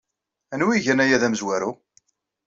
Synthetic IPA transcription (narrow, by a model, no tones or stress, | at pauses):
ænwiʝænæjæðæməzwæɾu